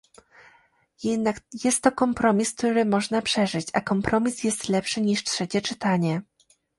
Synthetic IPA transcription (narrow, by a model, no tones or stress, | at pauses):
jɛd̪nakjɛst̪ːɔkɔmpɾɔmʲisk̚t̪uɾɘmɔʐnapʂɛʐɘt͡ɕa̰kɔmpɾɔmʲisjɛst̪lɛpʂɘɲiʂtʂɛt͡ɕɛt͡ʂɘt̪aɲɛ